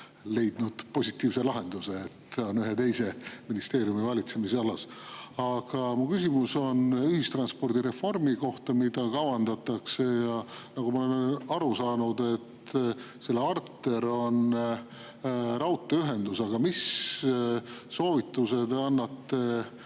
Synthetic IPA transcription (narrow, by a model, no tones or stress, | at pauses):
le̞jd̪̥nud̪̥po̞sit̪ˑːiːvse̞lɑɦe̞nd̪̥use̞ːt̪ːonyɦet̪e̞jse̞minist̪e̞ːɾjumivɑlʲit̪se̞miseɑlɑsɑɡ̥ɑmukysimuso̞nyhist̪rɑnspo̞rd̪̥iɾe̞fo̞rmiko̞ht̪ɑmid̪̥ɑkɑwɑnd̪̥ɑt̪ˑːɑkse̞jɑnɑɡ̥umɑolennɑɾusɑːnud̪̥e̞t̪ː | se̞lːeɑrt̪ːˑe̞ɾo̞n | rɑwt̪ːˑeyɦe̞nd̪̥usɑɡ̥ɑmis | so̞ːvit̪ːˑuse̞d̪ɑnːɑt̪ːe̞